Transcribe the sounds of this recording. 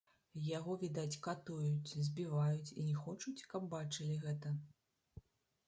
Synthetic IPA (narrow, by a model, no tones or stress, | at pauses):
jaɣɔvʲid̪at͡sʲkat̪ujut͡sʲzʲbʲivajut͡sʲinʲɛxɔt͡ʂut͡sʲkɐbbat͡ʂɨlʲiɣɛt̪ɐ